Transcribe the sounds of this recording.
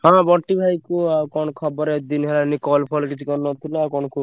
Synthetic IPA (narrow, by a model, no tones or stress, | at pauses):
ɦãbɔʈːibʱajkuakɔnkʰɔbɔɾed̪inɦelanikɔlpʰɔlkit͡ʃʰikɔɾnːɔt̪ʰileakɔnku